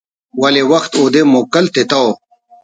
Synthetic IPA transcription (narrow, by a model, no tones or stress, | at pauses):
wɐlewɐxt̪oːd̪emoːkɐlt̪et̪ɐwo